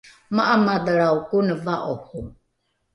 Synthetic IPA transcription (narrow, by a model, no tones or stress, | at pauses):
maʔamad̪əɾaukunəvaʔohu